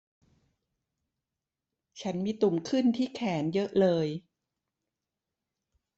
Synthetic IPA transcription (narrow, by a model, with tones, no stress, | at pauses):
t͡ɕʰa˦˥nmiː˧t̪u˨˩mkʰɯ˥˩nt̪ʰiː˥˩kʰɛː˩˦njɤ˦˥ʔlɤː˧j